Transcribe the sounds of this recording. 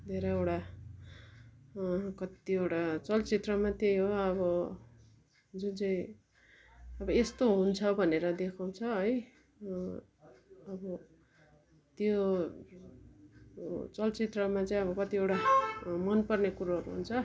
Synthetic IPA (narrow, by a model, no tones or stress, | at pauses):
d̪ʱeɾʌewʈa | kʌt̪iewʈat͡sʌlt͡sit̪rʌmat̪ejɦoʌbʌ | d͡zunt͡sʌĩ | ʌbʌest̪oɦunt͡sʰʌbʱʌneɾʌd̪ekʰaw̃t͡sʰʌɦʌj | ʌbʌ | t̪jo | t͡sʌlt͡sit̪rʌmat͡sʌĩʌbʌkʌt̪iewʈamʌnpʌrnekuɾoɦʌɾuɦunt͡sʰʌ